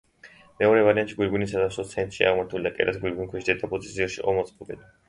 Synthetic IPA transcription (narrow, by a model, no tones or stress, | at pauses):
mɛɔɾɛvaɾiant̪ʃiɡwiɾɡunisad̪amsɔt̪sʰɛnt̪ʼʃia̰ʁmaɾt̪ʰulid̪akʼɛ̰ɾʔasɡwilɡunkʰwɛʃid̪ɛd̪apʼusʼisziɔʃḭʔɔmɔt̪sʼqʼɔbɛd̪